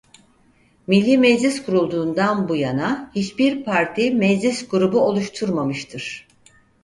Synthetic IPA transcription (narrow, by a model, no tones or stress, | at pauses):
milʲːiːmɛd͡ʒlʲiskʰuɾulˠd̪uːnd̪anbujanahit͡ʃbiɾpʰaɾt̪ʰimɛd͡ʒlʲisɡuɾubuo̞lˠuʃt̪ʰuɾmamɯʃt̪ʰɯɾ̥